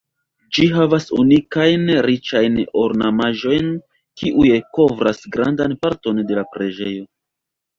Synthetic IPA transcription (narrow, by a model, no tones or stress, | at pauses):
d͡ʒiɦavasṵnikajnɾit͡ʃajno̞ɾnamaʒo̞jn | kʰiʔujeko̞vɾasɡɾa̰ndanpaɾto̞nde̞lapɾe̞d͡ʒejo̞